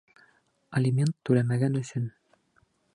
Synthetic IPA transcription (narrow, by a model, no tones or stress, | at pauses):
ɐlʲɪmʲe̞nt̪ːʉlæmæɡænɵ̆sɵn